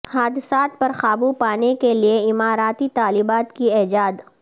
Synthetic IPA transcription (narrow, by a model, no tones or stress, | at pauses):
haːd̪ɪsaːt̪̚pɐɾxaːbupaːnekelieɪmaːɾaːt̪it̪aːlɪbaːt̪kiɛːd͡ʒaːd̪